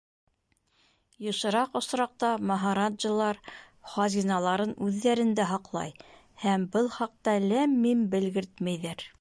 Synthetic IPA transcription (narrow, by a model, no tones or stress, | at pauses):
jŏʃɤ̆ɾɑqŏsɾɑq̚t̪ɑmɑɦɑɾadʒɤ̆lˠɑɾ | χɑzʲinɑlˠɑɾɤnʉðːæɾɘ̆nd̪æɦɑqlˠɑ̰j | hæmbɤlˠχɑq̚t̪ɑlæmːimbɘ̆lɡɘɾt̪mæjðæɾ